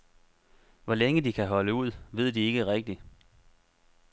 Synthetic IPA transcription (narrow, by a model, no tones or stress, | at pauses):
ʋɒleŋəd̥ikʰæɦɒ̽ləuð̞̰ˠʋe̝ð̞̰ˠd̥ie̝ɡ̥əʁɛɡ̥̚d̥i